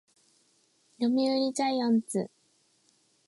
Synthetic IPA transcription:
jomiɯɾʲit͡ɕaiãnt͡sɨ

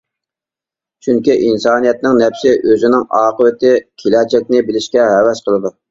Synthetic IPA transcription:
t͡ʃʰyŋkʲiʔinsɑːnijɛt̪̚nɪŋnɛpsɪʔøzɪnɪŋɑːqəwɪt̪ɪkʲʰelɛt͡ʃʰɛk̚ʲnɪbɪlɪʃkʲɛɦɛwɛʃqʰəlˠɨd̪u

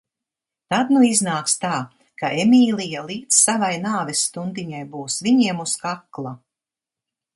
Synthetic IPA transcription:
t̪ad̪nuiznaːkst̪aː | kaʔemʲiːlˠijalˠiːdt̪ssavajnaːvɛsːt̪und̪iɲajbuːsviɲiɛmuskaklˠa

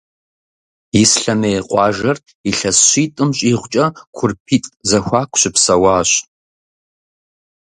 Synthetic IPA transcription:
jɪsɬɐmeːjqʷʼɑːʒɐr | iɬɐsɕiːtʼɨmɕʼiːʁʷt͡ʃʼɐkʷʰʊrpʰiːtʼzɐxʷɑːkʷʰɕɪpsɐwɑːɕ

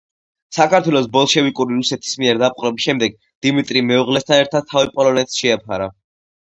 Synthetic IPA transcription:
sakʰaɾt̪ʰwɛlˠɔs̬bɔlˠʃɛvikʼuɾiɾusɛt̪ʰi̥smiɛɾd̪ap̚ʼqʼɾɛbisʃɛmd̪ɛɡ̚ | d̪̥imit̪ʼɾimɛuʁlɛst̪ʰanɛɾt̪ʰad̪̥̚t̪ʰːavipʼɔlˠɔnɛt̪sʃɛapʰaɾa

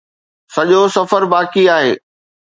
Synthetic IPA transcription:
sɐʄosɐfəɾbaːkiaːɦeː

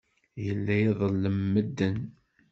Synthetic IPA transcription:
jəlːæjiðˤəlːəmːəd̪ːən

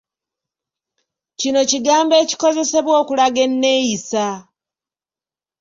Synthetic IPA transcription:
cino̞ciɡaːmbe̞ːci̥ko̞ze̞se̞βwo̞ːkulaɡe̞nːejisa

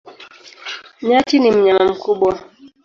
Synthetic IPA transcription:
ɲat͡ʃinim̩ɲamam̩kuɓwa

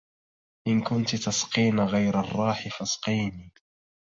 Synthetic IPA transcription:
ʔɪnkʊnt̪t̪asqiːnaɣajɾɑrˤːɑːħɪfɑsqiːniː

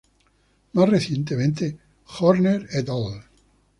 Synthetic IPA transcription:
masreθjẽnt̪̬emẽnt̪e | xoɾneɾet̪ol

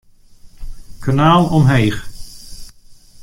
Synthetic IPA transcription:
kanaːlˠɔmɦejχ

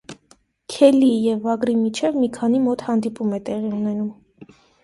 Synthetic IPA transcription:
kʰɛlijɛvːɑɡɾimit͡ʃʰɛvmikʰɑn̪imɔt̪hɑnd̪ipumɛt̪ɛʁiunɛnum

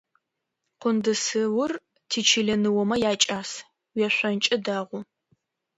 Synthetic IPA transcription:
qʷʊndɨsɨwʊr | tʰiːt͡ʃʰiɮɐnɨwɔmɐjaːt͡ʃʼaːs | wɛɕʷɐnt͡ʃʼɐdaːʁʷʊ

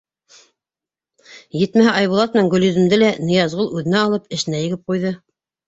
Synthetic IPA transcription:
jɘt̪mæɦæʔɑjβulˠɑt̪̚mɘ̆næŋɡɵ̆ljɵ̆zɘ̆md̪ɘlænɤ̆jɑzʁɤlˠʉðɘ̆næɑlˠɤpɘ̆ʃɘ̆næjɘ̆ɡɘp̚qujðɤ

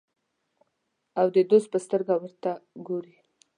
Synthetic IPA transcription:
awd̪əd̪os̚pəst̪əɾɡawəɾt̪aɡoɾi

